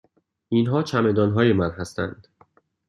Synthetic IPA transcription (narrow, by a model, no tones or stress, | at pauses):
ʔinɦɒːt͡ʃʰæme̞d̪ɒːnɦɒːjemænɦæst̪ʰæ̰nd̪̥